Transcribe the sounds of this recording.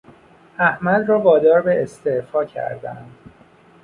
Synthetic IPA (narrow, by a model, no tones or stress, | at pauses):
æhmæd̪rɒːvɒːd̪ɒːɾbeest̪efɒːcʰæ̰ɾd̪æ̰nd̪̥